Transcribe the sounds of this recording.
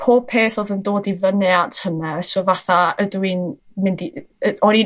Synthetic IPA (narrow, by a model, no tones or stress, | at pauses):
pʰoːb̥̚pʰeːθoːðəndoːdivənɛatʰhənɛsovaθaədwin | mɪndiəɔɾi